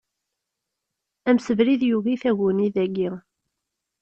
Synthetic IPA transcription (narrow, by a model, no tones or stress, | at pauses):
æmsəvɾiðjuɣiθæɣuniðæɡːi